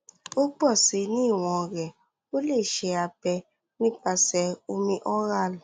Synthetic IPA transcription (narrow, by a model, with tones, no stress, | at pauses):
o˦ɡ͡bɔ˦˨si˧˦nĩ˦˨w̃ɔ̃˧˨ɾɛ˨ | o˦le˦˨ʃe˧a˧bɛ˧ | nĩ˦k͡pa˧sɛ˧o˧mĩ˦ʔɔ˦ɾa˦˨l